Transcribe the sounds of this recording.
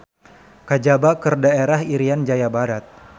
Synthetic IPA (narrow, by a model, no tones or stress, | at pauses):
kad͡ʒabakɨrdaeɾaɦiɾijand͡ʒajabaɾat̪̚